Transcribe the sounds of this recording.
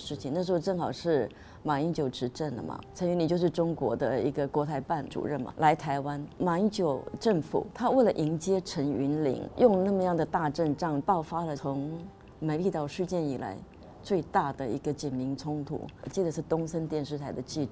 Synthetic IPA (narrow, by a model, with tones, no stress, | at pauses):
ʂɻ̩˥˩t͡ɕʰi˨ŋna˥˩ʂɻ̩˧˥xo˥˧ʊʈ͡ʂɤ˥˩ŋxɑ˨˩ʊʂɻ̩˥˩ | ma˨˩i˧˥ŋt͡ɕjo˨˩ʊʈ͡ʂɻ̩˧˥ʈ͡ʂə˥˩nlə̰˨˩mɐ̰˩ʈ͡ʂʰə˧˥nɥnli˨˩ŋt͡ɕjo˥˧ʊʂɻ̩˥˩ʈ͡ʂʊ˥ŋkwɔ̰˧˥d̪ə˧i˧˥ɡə˧kwɔ˧˥t̪ʰa˧˥ɪpa˥˩nʈ͡ʂṵ˨˩ɻə˥˩nmɐ̰˨˩lʔa˧˥ɪt̪ʰa˧˥ɪwa˥nma˨˩i˥t͡ɕjo˨˩ʊʈ͡ʂə˥˩ŋfṵ˨˩˦t̪ʰa˥we˥˩ɪlə˩ʔi˧˥ŋt͡ɕjɛ˥ʈ͡ʂʰə˧˥ny˧˥nlḭ˧˥ŋjʊ˥˧ŋna˥˩mə˧jɑ˥˩ŋd̪ə˩t̪a˥˧ʈ͡ʂə˥˧nʈ͡ʂɑ˥˩ŋpɑ˥˩ʊfa˥lə˨t͡sʰʊ˧˥ŋ | me˧˥ɪli˥˧t̪ɑ˥˩ʊʂy˥˧t͡ɕjɛ˥˩nḭ˨˩la̰˧˥ɪ | t͡swe˥˧ɪt̪a˥˩d̪ə˩i˧˥ɡə˧t͡ɕjɛ˨˩nmi˧˥ŋt͡sʰʊ˥ŋt̪ʰṵ˨˩˦t͡ɕi˥˩d̪ə˩ʂɻ̩˥˩t̪ʊ˥ŋsə˥nt̪jɛ˥˧nʂɻ̩˥˩t̪ʰa˧˥ɪd̪ə˧t͡ɕi˥˧